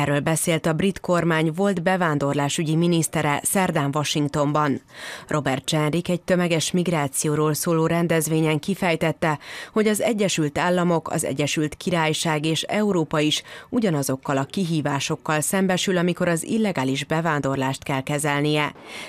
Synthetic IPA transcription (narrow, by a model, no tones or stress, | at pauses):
ɛrːøːlbɛseːlt̪ɒbrit̪ko̞rmaːɲvo̞ld̪bɛvaːnd̪o̞rlaːʃyɟiminist̪ɛɾɛsɛrd̪aːɱvɒʃiŋkt̪o̞mbɒnrʔo̞bɛrt̪̚t͡ʃɛnrikɛc̚t̪ø̞mɛɡɛʃmiɡraːt̪sijoːɾoːlsoːloːɾɛnd̪ɛzʋeːɲɛŋkifɛjt̪ɛt̪ːɛho̞ɟɒzɛɟːɛʃylt̪aːlːɒmo̞kɒ̰zɛ̰ɟːɛʃylt̪kiɾaːjʃaːɡeːʃɛuɾoːpɒiʃuɟɒnɒzo̞kːɒlɒkiɦiːvaːʃo̞kːɒlsɛmbɛʃylɒmiko̞ɾɒzḭlːɛɡaːliʒbɛvaːnd̪o̞rlaːʃt̪kɛlkɛzɛlnijɛ